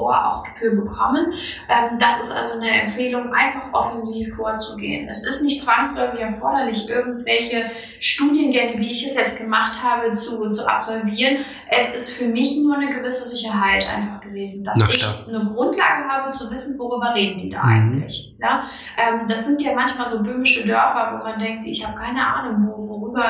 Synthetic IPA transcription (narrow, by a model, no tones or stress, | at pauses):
oɐ̰ʔa̰ʊxɡ̥ə̥fyːlbəkʰɔmənʔɛːmd̥asɪstʔa̰lzonəʔɛ̰mfeːlʊŋʔa̰ɪnfaχʔɔfɛnziːfːoːɐt͡suɡḛːənʔɛsɪstnɪçtt͡sv̥aŋslɔʏfɪçɛɐfɔɐɾɐlɪçʔɪɐɡŋ̩tv̥ɛlçə | ʃtuːdjənɡɛŋəviːɪçdɛsjɛt͡stɡ̥əmaχthaːbət͡sut͡suʔa̰pz̥ɔlviːʁən | ʔɛsʔɪstfyːɐmɪçnuːɐnəɡəvɪsəzɪçɐɦaɪtʔa̰ɪnfaχɡ̥əveːzn̩dasɪçnəɡʁʊntla̰ːɡəɦaːbət͡suvɪsn̩voʁyːbɐʁeːdn̩diːda̰ːʔa̰ɪɡŋ̩tlɪ̰çjaː | ʔɛːmdasz̥ɪntjaːmançmaːlzoːbøːmɪʃədœɐfɐvo̰ːmandɛŋk̚tz̥iːɪçhaːbəkʰaɪnəʔa̰ːnʊŋvovoʁyːbɐ